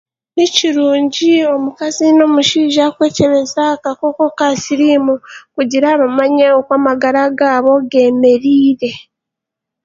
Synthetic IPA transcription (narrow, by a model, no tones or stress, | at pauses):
niciɾuːɲɟio̞mukazino̞muʃiːʒakwe̞ːce̞ɾe̞zakakoko̞kasiɾimukuɟiɾaːβamaɲeokwaːmaɡaɾaɡaːβo̞ɡe̞ːme̞ɾiːɾe̞